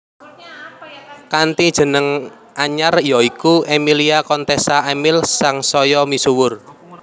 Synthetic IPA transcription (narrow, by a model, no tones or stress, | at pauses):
kant̪id̥ʒ̥ə̤nəŋ | ʔaɲarjɔikuʔemiliakɔnt̪ɛsaemɪlsaŋsɔjɔmisuwʊr